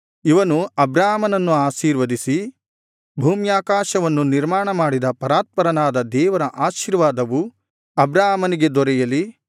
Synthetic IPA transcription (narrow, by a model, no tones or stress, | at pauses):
iʋɐnuɐbɾaːɦɐmɐnɐnːuaːʃiːɾʋɐd̪isi | bʱuːmjaːkaːʃɐʋɐnːuniɾmaːɳɐmaːɽid̪ɐpɐɾaːt̪̚pɐɾɐnaːd̪ɐd̪ɛːʋɐɾɐʔaːʃiɾʋaːd̪ɐʋu | ɐbɾaːɦɐmɐniɡe̞d̪ɔɾɛjɐli